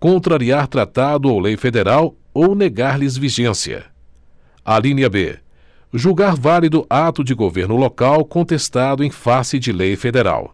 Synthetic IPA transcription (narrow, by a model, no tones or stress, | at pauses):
kõt̪ɾaɾiaɾt̪ɾat̪ad̪ʊawlejfed̪eɾaw | owneɡaɾlɪzviʒẽsiɐ̰ | alĩnɐbḛ | ʒuɡaɾvalid̪ʊʔat̪ʊd͡ʒɪɡoveɾnʊlokawkõnt̪est̪ad̪ʊẽj̃fasɪd͡ʒɪlejfed̪eɾa̰w